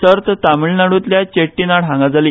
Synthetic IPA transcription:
səɾt̪ʰt̪amiɭnaɽuːt̪ljat͡ɕeʈːinaɽ̤ʱãŋɡad͡zali

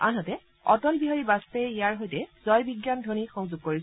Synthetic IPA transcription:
a̰nɔtɛ | ɔ̰tɔlbiɦaɹibastɛijaɹɦojtɛz̥ɔjbiɡjandʱonixɔŋzuɡ̚koɹi

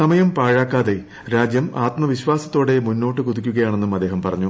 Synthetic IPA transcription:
ɐmɐjɐmpaːɻaːkːaːðe | ɾaːd͡ʑjɐmaːt̪mɐʋiɕʋaːsɐ̥t̪ːo̞ːɽe̞munːoːʈːɨkuðikʲːuɣɐjaːɳe̞nːumɐd̪ːe̞ːɦɐmpɐrɐɲːu

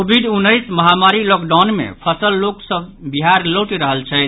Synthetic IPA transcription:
obʱiɖunːəjsməɦamaɾilɔkɖawnmḛpʰəsəlːoksə̃biɦaɾloʈiɾəɦəlt͡ʃʰɛt̪

